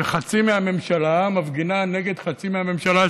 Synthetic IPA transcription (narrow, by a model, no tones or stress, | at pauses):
eχat͡simeame̞mʃalamavɡinane̞ɡed̪χat͡simeame̞mʃala